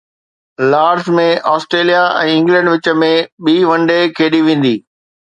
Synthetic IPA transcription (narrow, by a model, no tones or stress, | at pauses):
laːɾzmẽʔɔːsʈɾeːlijaɛ̰̃ːɪ̃ŋɡlɛ̃ɳɖʋɪt͡ɕə̆mẽɓiːʋɐ̃ɳɖekʰeːɗiʋẽːn̆d̪iː